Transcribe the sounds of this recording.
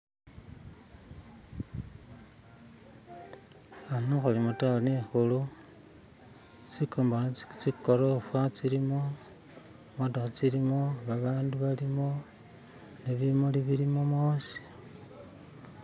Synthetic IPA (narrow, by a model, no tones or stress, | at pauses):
anoxulimotaonixulu | t͡sikoːmbont͡sikoɾofwat͡siɾimo | mondaxut͡siɾimo̞βaβaːnduβalimo̞ | neβimoliβiɾimomoːsi̥